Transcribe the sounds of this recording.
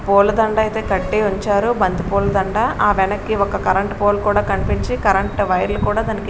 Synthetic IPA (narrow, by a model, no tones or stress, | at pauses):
poːlɐd̪ɐɳɖaːit̪e̞ːkɐʈːeːuɲt͡ʃaːɾubɐnd̪ipoːlɐd̪ɐɳɖaːʔaːʋɛnɐkːiɔkɐkɐɾɐɳʈpoːlkuːɽaːkɐnipiɲt͡ʃikɐɾɐɳʈʋɐjɐɾlukuːɽaːd̪ɐniki